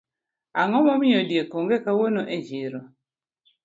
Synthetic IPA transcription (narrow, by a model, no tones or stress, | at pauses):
aŋɔmɔmɪɔdjekoŋɡekawonoʔed͡ʒiɾo